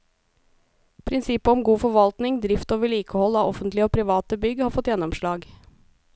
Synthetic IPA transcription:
pʰɾɪnsɪpəɔmɡuːfɔɾʋɑlt̪nɪŋd̪ɾɪft̪oːʋəɭiːkəhɔlːɑːʔɔfənt̪lɪəoːpʰɾɪʋɑːt̪əbʏɡhɑːɾfɔt̪ːjɛnːɔmʂɭɑːɡ

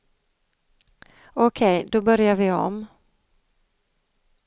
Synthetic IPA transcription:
ɔkʰɛjd̪ɔbœɾjaɾvɪɔ̰m

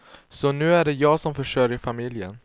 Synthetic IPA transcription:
sɔnʉ̟ːæɖɛjɑːɡsɔmfœʂœɾjəɾfamɪljə̰n

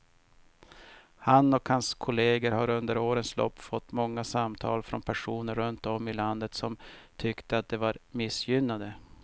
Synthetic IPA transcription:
hanːɔkhanskʰʊleːɡəɾhaɾɵnd̪əɾoːɾənslɔ̰pːfɔt̪ːmɔŋːasamt̪ʰɑ̰ːlfɾɔnpʰæʂuːnəɾːɵnt̪ɔmːɪland̪ət̪sɔmt̪ʰʏkt̪əat̪̚d̪ɛvaɾmɪsjʏnːad̪ə

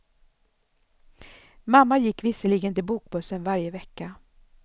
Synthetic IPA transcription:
mamːajɪkːvɪsəliːɡənt̪ɪlbuːk̚bɵsːənvaɾjəvɛkːa

